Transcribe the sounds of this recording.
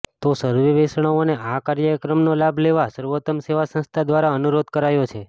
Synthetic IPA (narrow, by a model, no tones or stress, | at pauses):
t̪osəɾʋəʋesɳ̃aoneʔakaɾjəkɾəmnolabʱleʋasəɾʋot̪əmseʋasə̃nst̪ʰad̪ʋaɾaənuɾod̪kəɾajot͡ʃʰe